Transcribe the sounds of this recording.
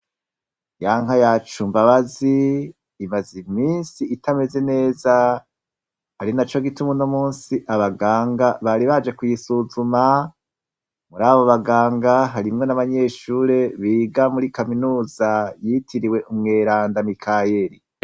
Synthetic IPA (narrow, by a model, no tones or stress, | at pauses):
jaːŋhajat͡ʃumbaβaziː | mazimiːnsiːtʰame̞ze̞ne̞ːza | haɾinat͡ʃo̞ɡitumuno̞muːnsiʔaβaɡaːŋɡaβaɾiβad͡ʒe̞kujisuzuma | muɾaːβoβaɡaːŋɡaɦaɾimŋe̞naβaɲe̞ːʃuːɾe̞βiːɡamuɾikaminuːzajitʰiɾiwe̞ʔumŋeːɾaːndamikʰaje̞ɾi